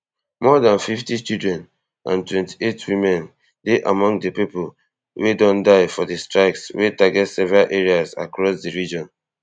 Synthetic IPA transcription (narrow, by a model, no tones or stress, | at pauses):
mɔðãnfiftit͡ʃidɹɛ̃n | ʔã̰ntwɛ̃nti̥etʰwimɛ̃n | deʔamɔ̃ŋɡdəpipol | wedɔ̃ndaɪfɔdəstɹaɪkswetaɡɛtsɛvɛɹalʔeɹiaza̰kɹɔsdiɹid͡ʒɔ̃n